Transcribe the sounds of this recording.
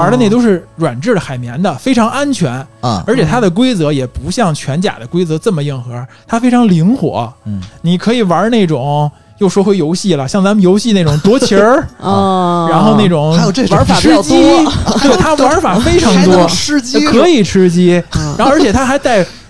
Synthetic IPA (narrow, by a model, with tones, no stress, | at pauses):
wa˧˥ə˧e˥˩ɪt̪o˥ʊʂɻ̩˥˩ɻwa̰˨˩nʈ͡ʂɻ̩˥˩lə˩xa˨˩ɪmjɛ˧˥nd̪ə˨fe˥ɪʈ͡ʂʰɑ˧˥ŋʔa˥nt͡ɕʰɥɛ˧˥n˧ə˞˧˥t͡ɕʰɛ˨˩t̪ʰa˥d̪ə˨k̬we˥ɪt͡sɤ˧˥jɛ˨˩pu˧˥ɕjɑ˥˩ŋt͡ɕʰɥɛ˧˥nt͡ɕja̰˨˩d̪ə˦kwe˥ɪt͡sɤ˧˥t͡sə˥˩mə˩ji˧˥˩nxɤ˧˥t̪ʰa˥fe˥ɪʈ͡ʂʰɑ˧˥ŋli˧˥ŋxwɔ̰˨˩˦ni˨˩kʰɤ˧˥i˨˩wɐ˧˥ne˥˩ɪʈ͡ʂʊ˨˩˦ŋ | jo˥˩ʊʂwɔ˥xwe˥ɪjo˧˥ʊɕi˥˩lə˩ɕjɑ˥˩ŋt͡sa˧˥mə˧jo˧˥ʊɕi˥˧ne˥˩ʈ͡ʂʊ˨˩ŋt̪wɔ˧˥t͡ɕʰjə˧˥˧ | ɻa˧˥nxo˥˧ʊne˥˩ɪʈ͡ʂʊ˨˩ŋ˥jʈ͡ʂfa˨˩˥t͡ɕt̪i˥we˥˩t̪ʰa˥wa˧˥fa˨˩fe˥ɪʈ͡ʂʰɑ˧˥ŋt̪wɔ˥ʈ͡ʂ̩˥t͡ɕi˥kʰɤ˧˥i˨˩ʈ͡ʂ̩ʰ˥t͡ɕi˥˧a˥xə˞˧˥t͡ɕʰɛ˨˩t̪ʰa˥xa˧˥ɪt̪a˥˩ɪ